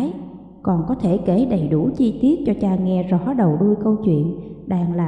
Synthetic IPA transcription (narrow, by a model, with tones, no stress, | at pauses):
j | kɔ˨˩nkɔ˨˦t̪ʰe˧˩ke˧˩ɗə˨˩jɗu˧˩t͡ɕi˧t̪i˦˥ət̚t͡ɕɔ˧t͡ɕaː˧ŋɛ˧zɔ˧˦ɗə˨˩wɗu˧jkə˧wt͡ɕwḭ˧˨ənɗaː˧˩ŋla̰ː˨